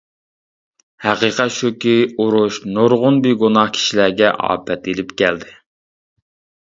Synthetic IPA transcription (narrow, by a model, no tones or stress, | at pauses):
hæqiqɛt̪ʃukʲiuɾʊʃnoɾʁʊnbiɡonɑhkʲʰi̥ʃilæɾɡʲɛʔɑ̰ːpʰɛt̪elɪpkʲʰɛld̪ɪ